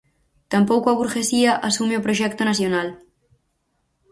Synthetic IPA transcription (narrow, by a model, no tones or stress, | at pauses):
t̪ampowkoaβuɾxesiaʔasumeopɾoʃɛkt̪onasjonal